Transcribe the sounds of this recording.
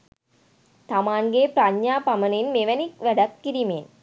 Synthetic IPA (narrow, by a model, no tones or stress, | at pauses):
t̪amaːnɡepɾaɲːaːpɐmɐninmeʋɐnikʋæɽɐkːiɾimeːn